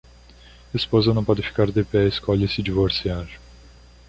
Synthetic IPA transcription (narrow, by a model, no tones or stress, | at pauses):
espozɐnɐ̃w̃pɔd̪ɪfi̥kaɾd̪epɛiskɔʎɐsɪd͡ʒivoɾsiaʒ